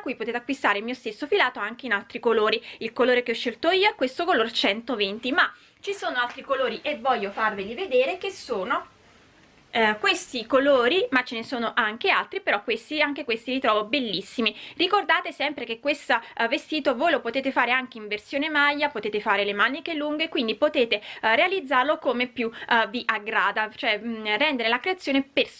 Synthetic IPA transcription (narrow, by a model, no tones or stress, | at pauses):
t̪ɾakːujpot̪eːt̪eakːwist̪aːɾelmiːost̪esːofilaːt̪oaŋk̟einalt̪ɾikoloːɾiilkoloːɾekeɔʃːelt̪oiːoɛkːwest̪okoloːɾet͡ʃɛnt̪ovent̪ima | t͡ʃisoːnoalt̪ɾikoloːɾiʔevːɔʎːofarvilived̪eːɾekesoːno | kwest̪ikoloːɾimat͡ʃːenesoːnoʔaŋk̟ealt̪ɾipeɾɔkːwest̪iaŋk̟ekwest̪ivit̪ɾɔːvobelːisːimirikord̪aːt̪esɛmpɾekekːwest̪avest̪iːt̪ovojlopot̪eːt̪efaːɾeaŋk̟eiɱversjoːnemajːapot̪eːt̪efaːɾelemanikeluŋɡekwind̪ipot̪eːt̪erealid̪zːarlokomepːjuviʔaɡɾaːd̪at͡ʃoɛrɛnd̪eɾelakɾeat̪sːjoːneper